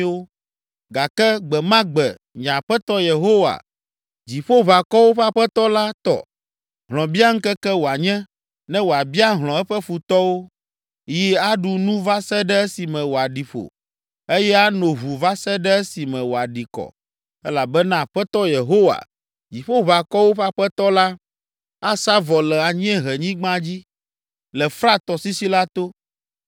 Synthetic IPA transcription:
wo˦ | ɡa˨kɛ˦ɡ͡bɛ˨mã˦ɡ͡bɛ˨ | ɲã˨ɸɛ˦t̪ɔ˦je˨ɦo˦wa̰˨ | d͡ʑi˨ɸo˦βa˨kɔ˦wo˦ɸa˦ɸɛ˦t̪ɔ˦la˦t̪ɔ̰˦ | ɦlɔ̃˨bi˦a˦ŋ̩˦kɛ˦kɛ˦wo˨a˨ɲɛ̃˦ | nɛ̃˦wo˨a˨bi˦a˦ɦl̃ɔ̃˨ɛ˦ɸɛ˦ɸu˨t̪ɔ˦wo˦ | ji˦a˦ɖu˨nũ˦va˦sɛ˦ɖɛ˦ɛ˦si˨mɛ̃˨wo˨a˨ɖi˨ɸo̰˨ | e˦jɛ˦a˦nõ˨ɦu˨va˦sɛ˦ɖɛ˦ɛ˦si˨mɛ̃˨wo˨a˨ɖi˨kɔ̰˨ | ɛ˦la˨bɛ˦nã˦˨ɸɛ˦t̪ɔ˦je˨ɦo˦wa̰˨ | d͡ʑi˨ɸo˦βa˨kɔ˦wo˦ɸa˦ɸɛ˦t̪ɔ˦la˦ | a˦sa˦vɔ˨lɛ˨a˨ɲ˦ɛ̃˦ɦɛ˨ɲĩ˦ɡ͡bã˦d͡ʑi˦ | lɛ˨fɾa˦t̪ɔ˨si˦si˦la˦t̪o˦

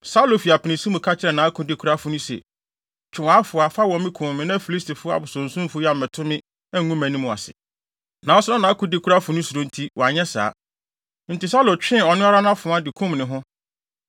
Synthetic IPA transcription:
sa˦lo˨fi˨a˨pʰɪ˨nɪ̃˨sĩ˦mũ˨kʰa˦t͡ɕʰɪ˦ɾɛ˨nã˨˦a˦kʰʊ̃˨dɪ˦kʰu˦ɾa˦fʊ˦nʊ̃˦sɛ̰˨ | t͡ʃᶣʰɪ˨wa˦fʊ˨a˨fa˦wɔ̃˨m˦mɪ̃˦kʰʊ̃˨m˨mɪ̃˨nã˦fi˨li˦stʰi˨fʊ˦a̰˨bʊ˨sɔ̃˨n̩˨sũ˦m˦fʊ˦ja˨mɪ̃˨tʰʊ̃˦mɪ̃˦ | ɛ˦˨ŋũ˦mæ̃˨nĩ˦mʊ̃˨a̰˨sɪ̰˨ | nã˨ɔ˦sʊ˦nã˦nã˨a˦kʰʊ̃˦dɪ˦kʰu˦ɾa˦fʊ˨nʊ̃˦su˨ɾõ˦n̩˦tʰi˦wɔ˨a˨ɲɛ˦sa̰ː˨˦ | n̩˨tɪ˨sa˦lo˨t͡ɕᶣɪ̃˦ɔ˨nʊ̃˦a˦ɾa˦nʊ̃˦ã˦fʊ̃˨˦ã˦dɪ˨kʰũ˦m˨nɪ̃˨ɦʊ̃˦

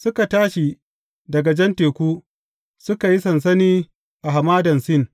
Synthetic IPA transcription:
sʊ˦ka˨taː˦ʃi˨ | dɐ˨ɡa˨d͡ʒɛ˦nteː˨kʷuː˦ | sʊ˦ka˨ji˦sɐ˨ns̬ɐ˦niː˦ | ʔa˨ɦa˨maː˦dɐ˨nsɪ˦n

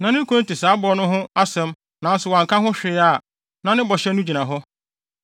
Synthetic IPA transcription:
nã˨nɪ̃˦kʰõ˦n̩˦tɪ˨saː˨˦bɔ˨˦nʊ̃˦ɦʊ̃˦a˦sɛ̃˦m | nã˨n˦sʊ˨wã˨ŋkã˦ɦʊ̃˦ɕᶣɪ˨ɪ˦a˨ | nã˨nɪ̃˦bɔ˨ɕɛ˦nʊ̃˦d͡ʑi˨nã˨ɦʊ˦

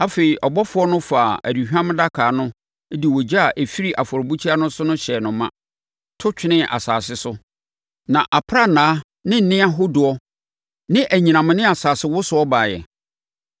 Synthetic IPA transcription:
a˦fe˨i˨ʔɔ˨bɔ˦fʊ˦ɔ˦nʊ̃˦faː˨æ̰˨di˨ɦᶣã˦m̃˦da˦kʰaː˨nʊ̃˦ | di˨wɔ˨d͡ʑa˦a˨ʔe˨fi˦ɾi˦ʔa˨fɔ˨ɾbu˦t͡ɕʰi˦a˦nʊ̃˦sʊ˦nʊ̃˦ɕɛ˨nʊ̃˨mːã̰˦ | tʰʊ˦t͡ɕᶣɪ˦nɪ̃˦ʔa̰˨saː˨sɪ˦sʊ˦ | nã˨ʔa˨pʰɾa˦˨nãː˨˦ | nɪ̃˦n̩˨nɪ̃˦a˦ɦʊ˦dʊ˨ɔ˦ | nɪ̃˦ʔæ˨ɲĩ˨nã˨mʊ̃˨nɪ̃˦a˨saː˨sɪ˦wʊ˦sʊ˨ɔ˦baː˨jɛ̰˨

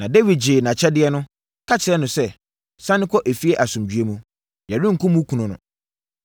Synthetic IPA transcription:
nã˨de˦wi˨d̚d͡ʑɪː˨nã˨t͡ɕʰɛ˦dɪ˦ɛ˦nʊ̃˦ | kʰa˦t͡ɕʰɪ˨ɾɛ˦nʊ̃˨sɛ˦ | sã˦nɪ̃˦kʰɔ˦ʔe˨fi˦ɛ˦ʔa˨sʊ̃˨md͡ʑɥe˦mũ˦ | jɛ˨ɾɪ̃˦ŋ̩˨kʰʊ̃˦mũ˦kʰu˨nʊ̃˨nʊ̰̃˨

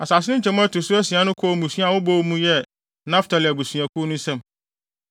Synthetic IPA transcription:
a˨saː˨s̬ɪ˦ɪ̃˦t͡ɕʰɛ̃˨˦m̃˦a˦tʊ˨sʊ˦æ˦si˨ã˨˦nʊ̃˦kʰɔ˦˨˦mũ˨sɥa˦˨wʊ˦bo˦wmũ˦jɛ˦ | nã˦ftʰa˨lɪ˨æ˨bu˨sɥã˨kʰʊ˦nʊ̃˦sɛ̃˦m

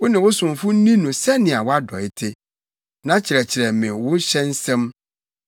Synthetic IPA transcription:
wʊ˦nɪ̃˨wʊ˦sʊ̃˨mfʊ˦n̩˦nĩ˦nũ˨sɛ˦nɪ̃˨a˨wɔ˦a˦dɔ̰˨ɪ˦tʰɪ˦ | nã˦t͡ɕʰɪ˨ɾɛ˨t͡ɕʰɪ˨ɾɛ˨mɪ̃˨wʊ̃˦ɕɛ̃˦n̩˦sɛ̃˦m

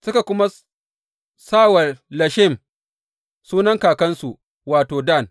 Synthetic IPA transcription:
sʊ˦ka˨kʷʊ˦ma˦ | saː˦wɐ˨rlɐ˨ʃɪ˦˨m | suː˦nɐ˦ŋkaː˨kɐ˦nsu˨ʔ | waː˨toː˨da˦˨n

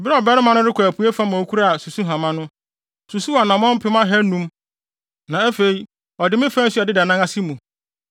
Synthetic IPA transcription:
bɪ˦ɾɛ˦ɔ˨bɛ˦ɾɪ˦mã˦nʊ̃˦ɾɪ˦kʰʷæ˨pʰu˨˦e˦fa˦mã˨o˨˦kʰu˦ɾa˦a˨su˨su˦ɦã˨mã˦nʊ̃˦ | su˨su˦wa˨nã˨mɔ̃˦m̩˦pʰɪ˦mã˦ɦɛ˦nũ˦m | nã˨æ˦fe˨i˦ | ɔ˨dɪ˦mɪ̃˦fã˦n˦su˦a˨dɪ˦da˨nã˦ŋa˦sɪ˦mũ˨

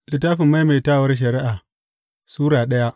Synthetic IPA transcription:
lɪ˨taː˦ɸɪ˨mːa˦jme˨taː˦˨wɐ˦rʃ̬ɐ˨ɾɪ˦ʔaː˨ | suː˦ɾaː˨ɗɐ˦ja˦ʔ

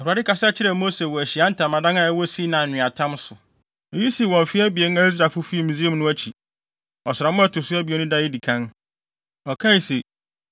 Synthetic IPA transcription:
a˨ha˨ɪ˦ka˨sa˦t͡ɕʰɪ˦ɾɛ˨mo˦se˨wɔ˨æ˨ɕi˨a˦n̩˦tʰã˨mã˨dã˦na˦˨ɛ˦wɔ˦si˦nãː˨nɪ̃˨a˨tʰã˦msʊ˨ | ɔ˨ji˦si˨wɔ̃˨m˨fɪ˦æ˦bi˨e˦n˦æ˦i˦s̬ɾaː˨fʊ˦fi˦i˦˨mĩ˨zi˦e˦˨mnʊ̃˦æ˦t͡ɕʰi˨ | ɔ˨sɪ˨ɾa˨mʊ̃˦a˦tʰʊ˨sʊ˦æ˦bi˨e˨˦nʊ̃˦da˦ɪ˦di˨kʰã˦n | ɔ˨kʰa˦i˨se˨

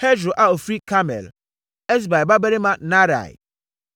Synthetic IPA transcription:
hɛ˦d͡ʒɾo˨ʔa˦o˨fɾi˦kʰa˦mɛ̰˨l | ɛ˦s̬ba˨ba˦bɛ˦ɾe˦mã˦na˦ɾa̰˨j̰

